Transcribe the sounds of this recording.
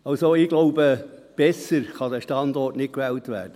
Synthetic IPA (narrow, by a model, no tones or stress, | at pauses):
ɑlsoɪɡ̥loʊbəb̥ɛsəɾχɑd̪æʃtɑndɔrtnɪt̚kʋɛːltʋæ̰ːrd̥ə